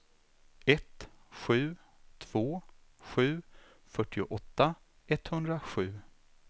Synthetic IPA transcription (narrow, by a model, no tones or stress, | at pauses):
ɛt̪ɧʉ̟ː | t̪ʰv̥oːɧʉ̟ː | fœʈːɪʊ̰ʔɔt̪ːa | ɛt̪hɵnd̪ɾaɧʉ̟ː